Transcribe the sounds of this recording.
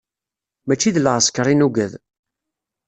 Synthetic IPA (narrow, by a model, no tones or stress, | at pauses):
mæt͡ʃːiðləʁəskəɾˤinuɡæð